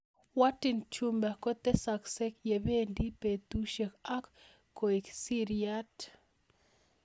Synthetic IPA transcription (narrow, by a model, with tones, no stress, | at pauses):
wa˦ti˨nt͡ʃu˦mba˨ko˦t̪ɛ˦sa˨kse˦kje˨βe˦ndi˦pe˨t̪u˦ʃe˨ka˦kː | o˨i˨ksi˦ɾia˦t